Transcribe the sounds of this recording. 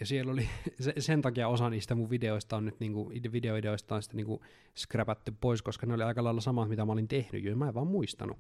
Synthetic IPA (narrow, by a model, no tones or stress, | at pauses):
jɑsielːolisesent̪ɑkiɑosɑniːst̪æmuʋʋideoist̪ɑːnnyt̪niːŋkuidʋideoideoist̪ɑːnsi̥t̪æniːŋku | skræpæt̪ːyppoiskoskɑneoliɑikɑlɑilːɑsɑmɑt̪mit̪æmɑolint̪ehny̰juemæeʋʋɑːmmuist̪ɑ̰nṵ